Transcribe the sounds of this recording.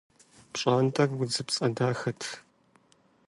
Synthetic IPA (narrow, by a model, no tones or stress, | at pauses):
pɕʼaːntʼɐrwʊd͡zɨpsʼɐdaːxɐtʰ